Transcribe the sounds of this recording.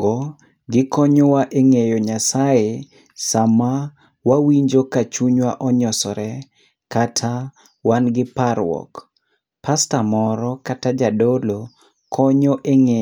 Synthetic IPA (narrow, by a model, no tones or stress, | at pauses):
ɡɔ | ɡɪkɔɲɔwaʔeŋejoɲasaje | sama | wawiɲd͡ʒokat͡ʃuɲwaʔɔɲɔsɔɾɛ | katʰa | wanɡɪpaɾwɔ̰k | pastamɔɾɔkatad͡ʒadolo | kʰɔɲɔʔeŋe